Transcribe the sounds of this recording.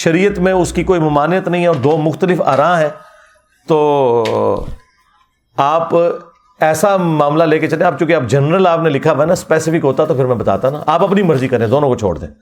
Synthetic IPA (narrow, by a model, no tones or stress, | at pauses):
ʃɐɾiːət̪mẽʊskikoːimʊmaːnɪjət̪nɐɦĩɦɛɔːɾd̪oːmʊxt̪əlɪfa̰ːɾãːɦɛ̃ː | t̪oː | aːp | ɛːsamaːmlaleːket͡ʃɐlẽaːp̚t͡ʃũːkeɐːp̚d͡ʒɐnɾəlaːpnelɪkʰːaʋnaspɛːsɪfɪkɦoːt̪aɛt̪opʰɪɾmɛ̃bɐt̪a̰ːt̪ana̰aːpɐpnimɐɾzikɐɾẽd̪oːnõkot͡ʃʰo̰ːɽd̪ḛ̃ː